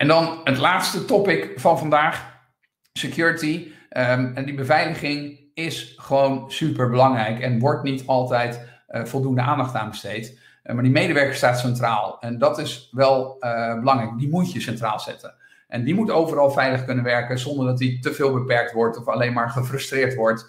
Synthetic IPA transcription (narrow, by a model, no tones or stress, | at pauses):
ɛndɑnɦətlaːtstətɔpɪkfɑnvɑndaːχ | səkjʊːɹəti | dibəvɛjləχɪŋ | ɪsχəʋownsypəɹbəlɑŋrɛjkɛnʋɔɹtnitɑlˠtɛjt | v̥ɔlˠduəndəʔaːndɑχtaːnbəstejt | maːɹdimejdəʋɛɹkəɹstaːtsɛntraːlˠɛndɑtɪsʋɛlˠbəlɑŋrɛjk̚dimutjəsɛntra̰ːlˠz̥ɛ̰tən | ʔɛndimutowvərɑlˠvɛjləχkɵnənʋɛɹkəzɔndəɹdɑt̬itəvɪːlˠbəpɛɹk̚tʋɔɹtɔfɑlejnmaːɹχəfrɵstrɪːɹtʋɔɹt